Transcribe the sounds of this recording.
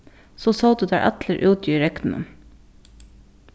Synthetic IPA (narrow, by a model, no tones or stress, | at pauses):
soːsɑːd̪ʉːd̪æ̰ːʔæt̪ləɾʔʉːt̪jyːɾɛk̪m̩ʉ̰n